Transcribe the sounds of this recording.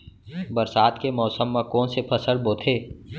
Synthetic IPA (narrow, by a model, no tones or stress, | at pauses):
bəɾsaːd̪kemɔːsəmːãkɔːnsepʰəsəlboːt̪ʰeː